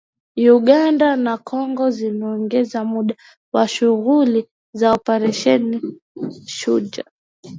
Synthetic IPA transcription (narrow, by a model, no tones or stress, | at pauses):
uɠandanakʰɔŋɡɔzimɛɔŋɡɛzamuɗa | waʃuɣuli | zaɔpɛɾɛʃɛni | ʃud͡ʒa̰